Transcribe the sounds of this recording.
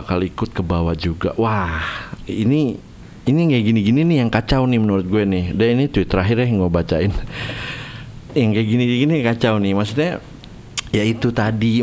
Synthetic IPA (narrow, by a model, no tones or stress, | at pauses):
kaloikʊt̪̚kəbawad͡ʒuɡa̰ʔwahini | iniŋɡaɡiniɡininɪhjaŋkat͡ʃawnɪhmənuɾʊt̪̚ɡuɛnɪhdainit̪uɪt̪ːəɾaɦɪɾjaŋɡuɛbat͡ʃaɪn | jaŋɡaɡiniɡinikat͡ʃawnɪmas̬uɲa | jait̪ut̪adi